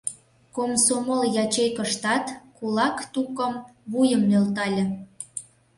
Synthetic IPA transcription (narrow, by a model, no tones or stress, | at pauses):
komsomoljɑt͡ɕejkəʃt̪ɑt̪kulɑkt̪ukə̆mβujəmnølt̪̬ɑlʲĕ